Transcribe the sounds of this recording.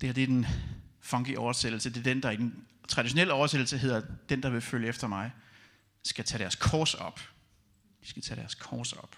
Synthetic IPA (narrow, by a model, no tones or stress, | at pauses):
d̥ehæɐd̥e̝ɐd̥enfɒŋɡ̥iʔɒʊɐsed̥l̩səd̥e̝ɐd̥end̥ɑ̈id̥en | t͡sʰʁɑ̈ɾ̥iɕo̝nel̰əɒʊɐsed̥l̩səɦe̝ð̰ˠɐd̥end̥ɑ̈ʋe̝føljəefd̥ɐmɑ̈ɪ | sɡ̥æt͡sʰɛɾ̥æɐskʰɒːsɒ̽b̥ | d̥i̥sɡ̥æt͡sʰɛɾ̥æɐskʰɒːsɒ̽b̥